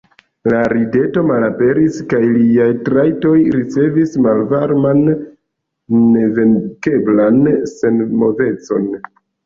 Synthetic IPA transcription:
laɾide̞to̞malape̞ɾiskajliajtɾajto̞jɾit͡se̞vismalvaɾman | eve̞nke̞blanse̞nmo̞ve̞t͡so̞n

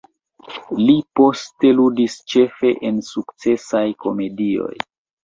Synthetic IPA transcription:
lipo̞ste̞ludist͡ʃe̞fe̞ʔensukt͡se̞sajko̞me̞dio̞̰j

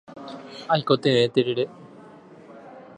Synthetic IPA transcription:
aikot̪eet̪eɾeɾe

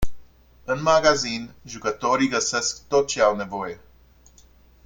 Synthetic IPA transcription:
ɨnmaɡazinʒukət̪o̞ɾiɡəse̞skt̪o̞t̪̚t͡ʃe̞awne̞vo̞je̞

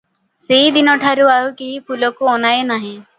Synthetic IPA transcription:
seɦid̪inɔʈʰaɾuaɦukipʰulɔkuɔnajenaɦĩ

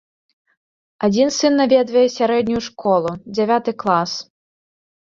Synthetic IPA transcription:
ad͡zʲinsɨnːavʲɛd̪vɐjɛsʲaɾɛd̪̚ʲnʲujuʂkɔlˠud͡zʲɛvʲat̪ɨklˠas

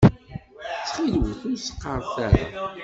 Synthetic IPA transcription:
t͡sːχilwəθʊɾsə̥qːəɾˤθæɾa̰

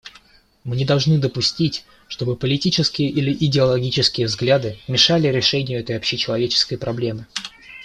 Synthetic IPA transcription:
mɨnʲɪd̪ɐlˠʐnɨd̪əpʊsʲtʲitʲ | ʂt̪o̞bɨpəlʲɪtʲit͡ɕɪskʲɪjəʔilʲɪʔɪdʲɪɐlˠɐɡʲit͡ɕɪskʲɪjəvzɡlʲad̪ɨmʲɪʂalʲɪɾʲɪʂɛnʲɪjʊɛt̪əjɐpɕːɪt͡ɕɪlˠɐvʲet͡ɕɪ̥skəjpɾɐblʲe̞mɨ

